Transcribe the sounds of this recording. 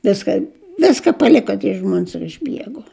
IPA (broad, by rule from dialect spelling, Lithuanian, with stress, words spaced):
ˈʋʲɪskɐnʲ ˈʋʲɪskɐ pɐˈlʲɪkoː tʲiɛ ˈʒmuɔns ɪr ɪʒʲˈbʲiɛɡuɔ